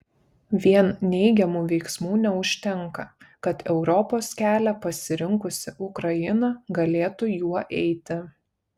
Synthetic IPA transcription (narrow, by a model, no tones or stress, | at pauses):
ʋʲiɛnnʲɛɪɡʲɛmuːʋʲɛɪksmuːnʲɛʊʃʲt̪ʲɛŋˑkɐkɐt̪ɛʊɾɔpoːskʲæːlʲɛpɐsʲɪɾʲɪŋkʊsʲɪʔʊkɾɐjɪnɐɡɐlʲeːt̪ʊjuɔʔɛɪt̪ʲɪ